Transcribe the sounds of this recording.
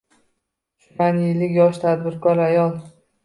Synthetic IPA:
ʃanjɪlːɪkʲjɒʃt̪ʰad̪bɪɾkʰɒɾajɒlˠ

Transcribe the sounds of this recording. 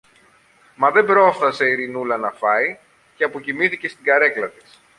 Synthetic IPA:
mɐðe̞bɾo̞sθɐse̞iɾinulɐnɐfɐi | ceɐpo̞cimiθice̞st̪iɡɐɾe̞klɐt̪i̥s

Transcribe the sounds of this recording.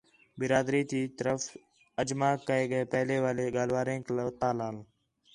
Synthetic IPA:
bɪɾaːd̪ɾiːt̪iːt̪əɾəf | əd͡ʒmaːkːəeːɠəeːpɛɦleːʋaːleːɡaːlʋaːɾẽːklət̪aːlaːl

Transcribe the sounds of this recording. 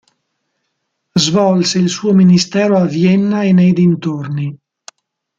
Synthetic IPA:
zvɔlseilsuːominist̪ɛːɾoavjɛnːaenejd̪int̪orni

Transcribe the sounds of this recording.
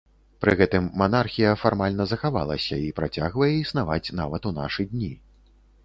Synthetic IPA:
pɾɨɣɛt̪ɨmːanarxʲijɐfarmalʲnɐzɐxava̰lˠɐ̰sʲɐ̰ipɾat͡sʲaɣvɐjɛisnavat͡sʲna̰vɐt̪una̰ʂɨd̪ʲnʲi

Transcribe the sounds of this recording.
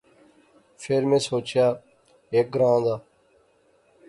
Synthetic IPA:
fʰeɾmẽːsoːt͡ʃjaː | eːk̚ɡɾãːd̪aː

